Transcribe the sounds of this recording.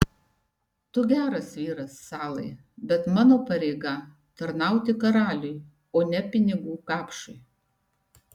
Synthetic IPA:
t̪ʊɡʲæːɾɐsʋʲiːɾɐsːɑːlˠɐɪ | bʲɛt̪mɑːnoːpɐɾʲɛɪɡɐ | t̪ɐɾnɑˑʊt̪ʲɪkɐɾɑːlʲʊj | oːnʲɛpʲɪnʲɪɡuːkɑːpʃʊɪ

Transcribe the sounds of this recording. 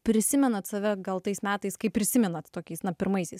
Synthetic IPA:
pʲɾʲɪsʲɪmʲɛnɐt̪sɐʋʲɛɡɐlˠt̪ɐɪsmʲæːt̪ɐɪskɐɪpʲːɾʲɪsʲɪmʲɛnɐt̪t̪oːkʲɛɪsnɐpʲɪɾmɐɪsʲɛɪs

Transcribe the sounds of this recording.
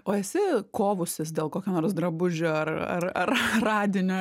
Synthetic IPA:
oːɛsʲɪkoːʋʊsʲɪsd̪ʲeːlˠkoːkʲoːnoːrsd̪ɾɐbʊʒʲoːɐrɐ̰rɐrrɑːd̪ʲɪnʲo

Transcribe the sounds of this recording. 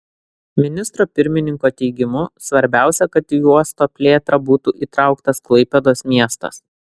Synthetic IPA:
mʲɪnʲɪst̪ɾoːpʲɪɾʲmʲɪnʲɪŋkoːt̪ʲɛɪɡʲɪmʊsʋɐɾʲbʲæˑʊsʲɛkɐt̪ːjuɔst̪oːpʲlʲeːt̪ɾɐbuːt̪uːʔiːt̪ɾɑˑʊkt̪ɐsklˠɐɪpʲɛd̪oːsmʲiɛst̪ɐ̰s

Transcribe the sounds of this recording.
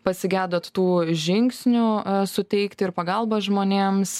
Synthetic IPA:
pɐsʲɪɡʲæːd̪oːt̪t̪uːʒʲɪŋksʲnʲʊsʊt̪ʲɛɪkt̪ʲɪɾpɐɡɐlˠbɐʒmoːnʲeːms

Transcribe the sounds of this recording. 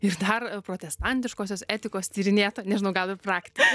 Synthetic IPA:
ɪrd̪ɐrpɾoːt̪ʲɛst̪ɐnʲt̪ʲɪʃkoːs̬ʲoːsæːt̪ʲɪkoːst̪ʲiːɾʲɪnʲeːt̪oːnʲɛʒʲɪnɐʊɡɐlˠʋʲɪprɑːkt̪ʲɪk

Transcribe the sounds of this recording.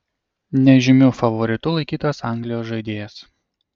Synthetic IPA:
nʲɛʒʲɪmʲʊfɐʋɔɾʲɪt̪ʊlˠɐɪkʲiːt̪oːsɑˑŋʲɡlʲɪjoːsʒɐɪd̪ʲeːjɛs

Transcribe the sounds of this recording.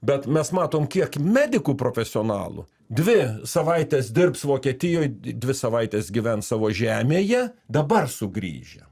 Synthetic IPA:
bʲɛt̪mʲɛsmɑːt̪oːmkʲiɛkmʲæːd̪ʲɪkuːpɾoːfʲɛsʲɪoːnɑ̰ːlˠṵ | d̪ʲʋʲɪsɐʋɐɪt̪ʲesd̪ʲɪrpsʋoːkʲiɛt̪ʲɪjoːjd̪ʲʋʲɪsɐʋɐɪt̪ʲeːsɡʲɪʋʲɛnsɑːʋoːʒʲæːmʲeːjɛd̪ɐbɐrsʊɡɾʲḭːʒʲɛ̰

